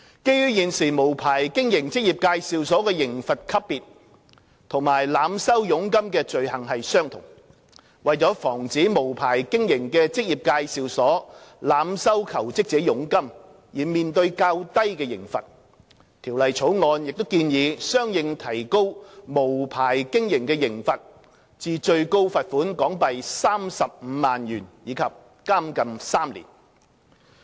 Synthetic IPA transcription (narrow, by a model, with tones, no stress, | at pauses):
ke˥jɥyː˥jiː˨nsiː˨mo˨˩wpʰaː˨˩jkɪ˥ŋjɪ˨˩ŋt͡sɪ˥k̚jiː˨p̚kaː˧jsiː˨wsɔː˨˥kɛː˧jɪ˨˩ŋfɐ˨t̚kʰɐ˥ppːiː˨t̚ | t̪ʰʊ˨˩ŋmaː˨˩jlaː˨˧msɐ˥wjʊ˨˥ŋkɐ˥mkɛː˧t͡ʃɵ˨ɥhɐ˨˩ŋhɐ˨jsœː˥ŋt̪ʰʊ˨˩ŋ | wɐ˨jt͡sɔː˨˥fɔː˨˩ŋt͡siː˨˥mo˨˩wpʰaː˨˩jkɪ˥ŋjɪ˨˩ŋkɛː˧t͡sɪ˥k̚jiː˨p̚kaː˧jsiː˨wsɔː˨˥laː˨˧msɐ˥wkʰɐ˨˩wt͡sɪ˥k̚t͡sɛː˨˧˥jʊ˨˥ŋkɐ˥m | jiː˨˩miː˨˩nt̪ɵ˧ɥkaː˧wt̪ɐ˥jkɛː˧jɪ˨˩ŋfɐ̰˨t̚ | t̪ʰiː˨˩wlɐ˨jt͡sʰo˨˥wŋɔː˧njɪ˨k̚t̪o˥wkiː˧njiː˨˧sœː˥ŋjɪ˨˧ŋt̪ʰɐ˨˩jko˥wmo˨˩wpʰaː˨˩jkɪ˥ŋjɪ˨˩ŋkɛː˧jɪ˨˩ŋfɐ˨t̚ | t͡siː˨˧t͡ʃɵ˧ɥko˥wfɐ˨t̚fuː˨˥nkɔː˨˥ŋpɐ˨jsaː˥msɐ˨p̚m̩ː˨˧˦maː˨njyː˨˩njiː˨˧kʰɐ˨p̚ | kaː˥mkɐ˨msaː˥mlḭː˨˩n